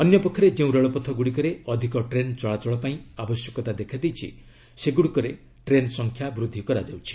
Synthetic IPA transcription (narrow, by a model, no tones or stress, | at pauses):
ɔnjɔpɔkʰːɔɾed͡ʒeũɾɔɭɔpɔt̪ʰɔɡuɽikɔɾeɔd̪ʱikɔʈɾent͡ʃɔɭat͡ʃɔɭɔpaĩabɔsjɔkɔt̪ad̪ekʰad̪ejt͡ʃʰḭ | seɡuɽikɔɾe | ʈɾensɔŋkʰjabɾud̪ʱːikɔɾad͡ʒawt͡ʃʰi̥